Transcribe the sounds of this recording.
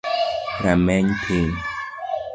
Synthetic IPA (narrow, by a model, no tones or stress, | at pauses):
ɾamɛɲpʰen